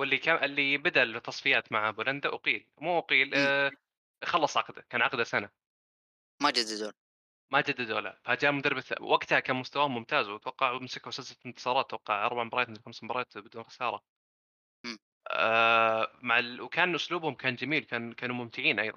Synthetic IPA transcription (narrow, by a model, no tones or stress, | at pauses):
wɪlːikaʔɪlːibad̪aʔlbɪt̪ʰːɑsˤfɪjaːt̪maʕabʊːland̪aʔʊqiːlmuːʔqiːl | xɑlːɑsˤʕɑqd̪akaːnʕɑqd̪asana | mad͡ʒad̪d̪oː | mad͡ʒad̪ːɪd̪o̰ːla̰fad͡ʒaːmʊd̪arˤːɪba̰wʔaɡt̪hakaːnmʊst̪awaːhʊmːʊmt̪aːzwt̪wɑqːɑʕmsɪkawsalsaɪnt̪ɨ̥sˤɑːɾˤɑːt̪ːwɑqːɑʕʔɑ̰ɾˤbaʕmbɑɾˤɑːt̪nxamsmbɑɾˤɑːt̪bɪd̪uːnxḁsɑːɾˤɑ | maʕalwkʰaːnʔʊsluːbhʊmkʰaːnd͡ʒamiːlwkaːnkaːnumʊmt̪ɪʕiːnʔɑ̰jðˤɑ̰n